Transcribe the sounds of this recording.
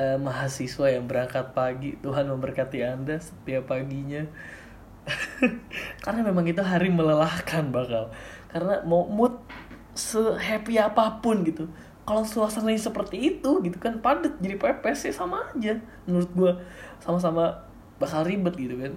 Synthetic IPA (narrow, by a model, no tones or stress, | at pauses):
ʔəmaɦasisuajaŋbəɾaŋkat̪̚paɡit̪uɦanməmbərkat̪iandasə̥t̪iapaɡiɲa | kaɾənamemaŋit̪̬uɦaɾimələlahkanbakal | kaɾənamawmʊt̪̚ | səɦepiapapʊnɡit̪u | kalosulasanaɲsəpərt̪iːt̪uɡit̪ukanpadət̪̚d͡ʒadipepɛsɲasamaːd͡ʒamənuɾʊt̪̚ɡuasamas̬ama | bakalribət̪̚ɡit̪ukan